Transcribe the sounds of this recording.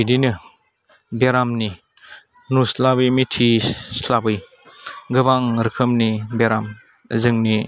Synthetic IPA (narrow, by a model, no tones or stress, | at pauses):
idinɯ | beɾamni | nuslabɯjmitʰislabɯj | ɡɯbaŋɾɯkʰɯmnibeɾam | zɯŋni